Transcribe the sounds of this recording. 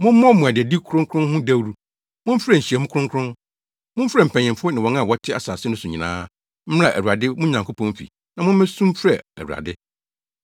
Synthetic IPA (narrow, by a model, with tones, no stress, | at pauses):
mʊ̃˦m̩˦mɔ̃˦mũ˨a˨dɪ˨ɛ˨di˦kʰʊ˦ɾʊ̃˦ŋkʰʊ̃˦nhʊ̃˦dæ˦wɾu˦ | mʊ̃˦m˦fɾɛ˦˨ɲ̩˨ɕi˨ɛ˨mʊ̃˦kʰʊ˦ɾʊ̃˦ŋkʰʊ˦ɾʊ̃˦n | mʊ̃˦m̩˦fɾɛ˦˨m̩˨pʰæ̃˨ɲɪ̃˨mfʊ˦ɔ˦nɪ̃˨wɔ̃˨˦ŋã˦˨wɔ˦tʰɪ˦a̰˨saː˨sɪ˦nʊ̃˦sʊ˨ɲĩ˨nã̰ː˦ | m̩˦ã˦˨ʔæ˨ɾu˨a˨dɪ˦mʊ̃˦ɲã˨ŋkʰo˦pʰɔ̃˦mfḭ˨ | nã˨mʊ̃˦m˦mɛ̃˦sũ˦m˦fɾɛ˨æ̰˨ɾu˨a̰˨dɪ˦